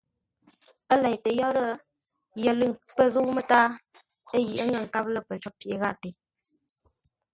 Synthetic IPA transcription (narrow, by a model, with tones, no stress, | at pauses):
ə˦la˨jtə˨jɔ˦ɾə˦ | jə˨lɨ˦˨ŋpə˦˨zu˦mə˦taː˦ | ə˦ji˨ʔə˦ŋə˦˨ŋ̩˨ka˦p̚lə˨pə˨t͡ʃɔ˨˦pje˨ɣa˦˨te˨